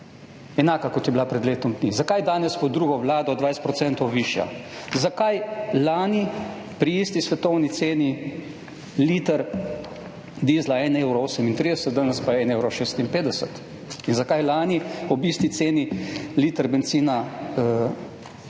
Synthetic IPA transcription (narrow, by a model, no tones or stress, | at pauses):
ɛnaːkakɔt̪jɛblapɾɛd̪leːt̪ɔmd̪nizakajd̪aːnɛspɔd̪ɾuɡɔʋlaːd̪ɔd̪ʋajst̪pɾɔt̪sɛnt̪ɔwʋiːʃja̰zakajlaːni | pɾiiːst̪isʋɛt̪ɔwnit̪seːni | liːt̪əɾ | d̪iːzlaɛnewɾɔoːsɛmint̪ɾiːd̪ɛsət̪̚d̪anɛspaɛnewɾɔʃeːst̪impeːd̪ɛsət̪ | inzakajlaːniɔbist̪it̪seːniliːt̪əɾbɛnt̪siːnaə